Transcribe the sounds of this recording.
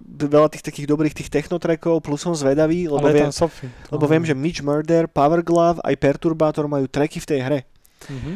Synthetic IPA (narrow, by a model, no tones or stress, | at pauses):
ʋɛlat̪iːxt̪akiːɣd̪ɔbɾiːxt̪iːxt̪ɛxnɔt̪ɾɛkɔʊplusɔnzʋɛd̪aʋiːlɛbɔʋɛnsɔfilɛbɔʋɪɛmʒɛmid͡ʒmɛɾd̪ɛɾpaʋɛɾɡlafa̰jpɛɾt̪uɾbaːt̪ɔɾmajuːt̪ɾɛkift̪ɛjɦɾɛ